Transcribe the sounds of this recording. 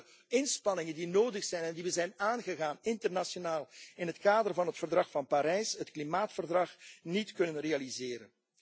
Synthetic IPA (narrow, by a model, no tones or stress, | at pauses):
ɪnspɑnɪŋəndinoːdəxsɛjnɛndiʋəzɛjnaːnɣəɣaːnɪntərnasjonaːlˠɪnɦətkaːdərvɑnɦətfərdrɑxfɑnpaɾɛjsɦətklimaːtfərdrɑxnitkɵnənrealizɪːɾə̰n